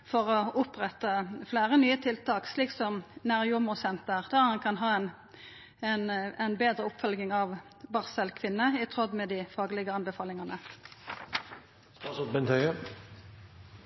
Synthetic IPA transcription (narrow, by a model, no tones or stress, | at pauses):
fɔʁɔʊpʁɛt̪ːəfleːʁənyːət̪ʰɪlt̪ɑːksliːksɔmnæːʁjʊmʊsɛnt̪əʁd̪̥æʁhɑnkʰɑnɦɑːɛn | ɛnɛnbeːd̪ʁəʊpfœlɡ̪ɪŋɑʋ | bɑʁsəlkʰʋɪnːəɪt̪ʰʁɔd̪mɛd̪ɪfɑːɡəlɪɡəɑnbəfɑːlɪŋɑnə | st̪ɑsɔt̪̚bɛnt̪œʏə